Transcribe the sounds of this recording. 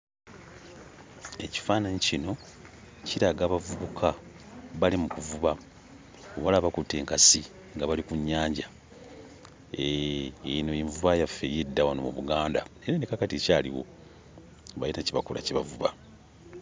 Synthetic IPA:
e̞ci̥faːnaɲicino̞ | ciɾaɡaːβavuβukʰa | βalimukuvuβa | oβalaβakutːe̞ːŋkasi | ŋɡaβalikuɲːaːɲɟa | e | nojiɱvuβajafːejedːawano̰mṵβuɡaːndaeɾanekakaticaːlḭwo̞̰ | βa̰jitaciβakula̰ciβavuβa

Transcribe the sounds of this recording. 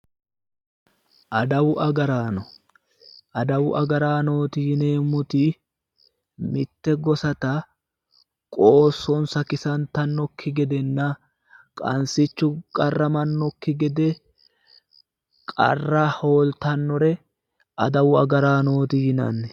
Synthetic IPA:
ʔɐd̪ɐwʊʔɐɡɐɾaːnɔ | ɐd̪ɐwʊʔɐɡɐɾaːno̞ːt̪ɪjɪne̞ːmːʊt̪ɪ | mɪt̪ːɛɡɔsɐt̪ɐ | kʼoːsːɔnsɐkɪsɐnt̪ɐnːɔkʰːɪɡɛd̪ɛnːɐ | kʼɐ̰nsɪt͡ʃːʊkʼɐrːɐmɐnːɔkːɪɡɛd̪ɛ | kʼɐ̰rːɐho̞ːlt̪ɐnːɔɾɛ | ʔɐd̪ɐwʊɐɡɐɾaːno̞ːt̪ɪjɪnɐ̰nːɛ

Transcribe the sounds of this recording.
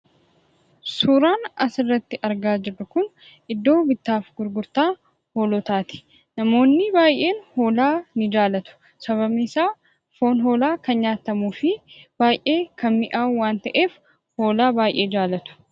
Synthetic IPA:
suːɾaːnɐsɪrːɐt̪ːɪʔɐɾɡaːd͡ʒɪrːʊkʊn | ʔɪd̪ːo̞ːbɪt̪ːaːfɡʊɾɡʊɾt̪aː | hoːlɔt̪aːt̪ɪ̥ | nɐmo̞ːnːɪbaːjʔe̞ːnho̞ːlaːnɪd͡ʒaːlɐt̪ʊ̥ | sɐβɐbnɪsaː | fo̞ːnɦo̞ːlaːkɐnɲaːt̪ːɐmuːfɪb̥aːjʔe̞ːkʰɐnmɪʔaːwaːnt̪ɐʔeːf | ho̞ːlaːbaːjʔe̞ːd͡ʒaːlɐt̪ʊ̥

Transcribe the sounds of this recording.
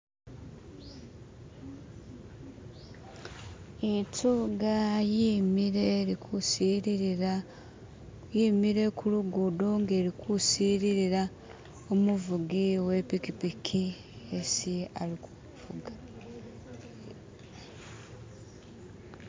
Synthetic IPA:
ituɡajimiɾe̞ɾikʰusiɾiɾiɾa | jimiɾe̞kʰuluɡudoŋɡeɾikʰusiːɾiɾiɾa | omuvuɡiwe̞pikipikʰi | esia̰liku | vuɡa

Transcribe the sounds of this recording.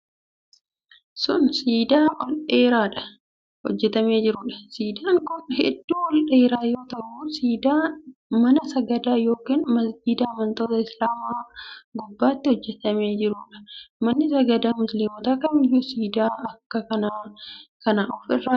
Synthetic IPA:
sʊnsiːd̪aːʔɔlʔeːɾaːᶑɐ̥ | hɔ̰d͡ʒːɛt̪ɐme̞ːd͡ʒɪɾuːᶑɐ̥siːd̪aːŋkʊnhɛ̰d̪ːuːwɔlɗeːɾaːjo̞ːt̪ɐɾʔuːsiːd̪aːmɐnɐsɐɡɐd̪aːjo̞ːkiːnmɐsd̪iːd̪aɐmɐnt̪o̞ːt̪ɐɪslaːmaːɡʊbːaːt̪ːɪhɔd͡ʒːɛt̪ɐmeːd͡ʒɪɾuːᶑɐ̥mɐnːɪsɐɡɐd̪aːmʊslimɔt̪ɐkɐmɪjːusiːd̪aːɐkːɐkɐnaːkɐnaːɔfɪrːaː

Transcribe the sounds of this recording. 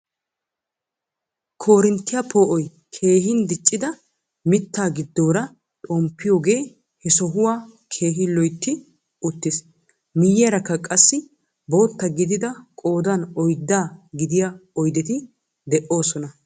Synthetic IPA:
kʰo̞ːɾɪnt̪ːɪjapʰoːʔɔj | kʰe̞ːɦɪnd̪ɪt͡ʃʼːɪd̪ɐ | mɪt̪ːaːɡɪd̪ːo̞ːɾɐ | t̪ʼɔmpːɪjoːɡe̞ː | hɛsɔɦʊwaːkʰe̞ːɦɪlɔjt̪ːɪ | ʊt̪ːɪs | mɪjːɛɾɐkːɐkʼɐsːɪ | bo̞ːt̪ːɐɡɪd̪ɪd̪ɐkʼo̞ːd̪ɐnɔjd̪ːaːɡɪd̪ɪjaɔjd̪ɛt̪ɪ | d̪ɛʔo̞ːsɔnɐ

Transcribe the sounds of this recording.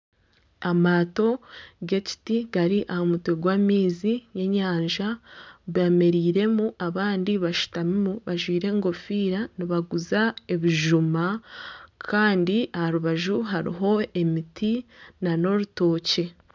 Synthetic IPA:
amaːto̞ɡe̞ci̥tiɡaɾiʔahomutweɡwaːmiːzine̞ɲaːɲʒaβeːme̞ɾiːɾe̞muʔaβaːndiβaʃu̥tamimuβaʒwiːɾe̞ŋɡo̞fiːɾaniβaɡuzae̞βiʒuma | kʰaːndiahaɾuβaʒuɦaɾḭɦo̞e̞mitinano̞ɾuto̞ːce̞

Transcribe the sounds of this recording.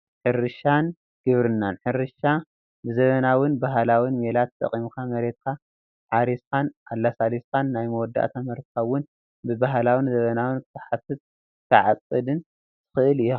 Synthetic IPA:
ħɨɾɨʃan | ɡ̥ɨβɾɨnːanħɨɾɨʃa | bɨzɐβɐnawʊnbaɦlawinmelat̪t̪ʼːɐ̰χʼimkʰamɐɾet̪̚kʰa | ʕaɾiskʰanʔalːasaliskʰanːajmɐwɔd̪ːa̰ʔt̪ʰamɐɾt̪kʰaβʊn | bɨbaɦlawinzɐβɐnawɨnkʰɨ̥t̪ʰɐħafɨt̪̚ | t̪ʰɐʕat͡sʼɨd̪ɨn | t̪ʰɨ̥xɨʔɨlɨju

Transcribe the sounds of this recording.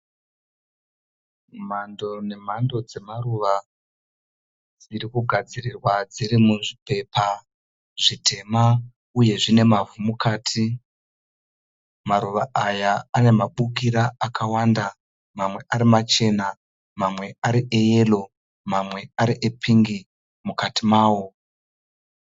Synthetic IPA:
mando̞ne̞mando̞d͡ze̞maruʋa | d͡ziɾikuɡʱad͡zirirwad͡ziɾimuʐipe̞pʰa | ʐ̥itʰe̞ma | uje̞ʐine̞mavumukʰaːtʰi | maɾuʋaʔajaane̞maɓuk̬iɾaakʰawaːnda | mamwe̞ʔaɾimat͡ʃe̞na | mamwe̞aɾiʔeje̞lo̞ | mamwe̞aɾiʔepʰiŋɡi | mukatimaːwo̞

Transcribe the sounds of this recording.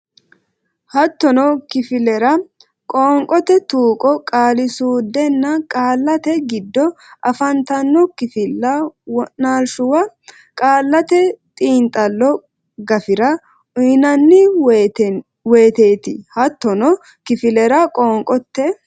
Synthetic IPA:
hɐt̪ːɔnɔkɪfɪlɛɾɐ | kʼɔːŋkʼɔt̪ɛt̪uːkʼɔkʼaːlɪsuːd̪ːɛnːɐkʼaːlːɐt̪ɛɡɪd̪ːɔ | ʔɐfɐnt̪ɐnːɔkɪfɪlːɐwɔʔnaːlʃʊwɐ | kʼaːlːɐt̪ɛt̪ʼiːnt̪ʼɐlːɔ | ɡɐfɪɾɐ | ʊɪnɐnːɪ | we̞ːt̪e̞ːt̪ɪhɐt̪ːɔnɔ | kɪfɪlɛɾɐkʼoːŋkʼɔt̪ːɛ

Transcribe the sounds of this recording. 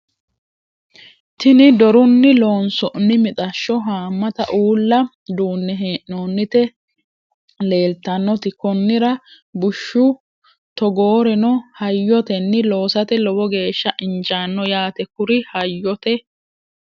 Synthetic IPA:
t̪ɪnɪd̪ɔɾʊnːɪloːnsɔʔnːɪmɪt̪ʼɐʃːɔɦaːmːɐt̪ɐʔuːlːɐ | d̪uːnːɛɦeːʔnoːnːɪt̪ɛ | le̞ːlt̪ːɐnːɔt̪ɪkɔnːɪɾɐ | bʊʃːʊ | t̪ɔɡo̞ːɾɛnɔhɐjːɔt̪ɛnːɪlo̞ːsɐt̪ɛlɔbɔɡe̞ːʃːɐʔɪnd͡ʒaːnːɔjaːt̪ɛkʊɾɪhɐjːɔt̪ɛ

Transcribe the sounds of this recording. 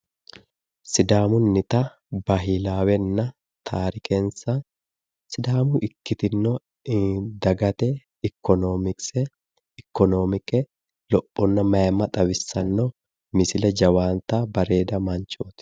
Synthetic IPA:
sɪd̪aːmʊnːɪt̪ɐ | bɐɦɪlaːwɛnːɐ | t̪ʰaːɾɪkʰɛnsɐ | sɪd̪aːmʊʔɪkːɪt̪ɪnːɔ | d̪ɐɡɐt̪ɛ | ɪkːɔnoːmɪksɛ | ɪkːɔnoːmɪkɛ | lɔpʼːɔnːɐmɐjɐmːɐt̪ʼɐwɪsːɐnːɔ | mɪsɪlɛd͡ʒɐwaːnt̪aːbɐɾe̞ːd̪ɐmɐɲt͡ʃoːt̪

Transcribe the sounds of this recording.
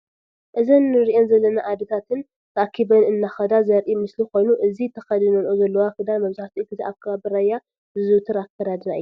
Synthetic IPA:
ʔɨzɐnːɨɾiʔo̞nzɐlːɐnaʔad̪ɐt̪ʰat̪ʰɨn | t̪ʰɐʔakʰːibɐnɨnːaxɐd̪azɐɾʔimɨsliko̞jnuʔɨzit̪ʰɐxɐd̪ɨnɐnʔozɐlːɐwakɨd̪almɐβsaht̪ʰiɨk̪ʰɨt̪iʔakʰːɐβabɨɾajːa | zɨzut̪ʰɨɾakʰːɐɾad̪ɨnaʔɨju

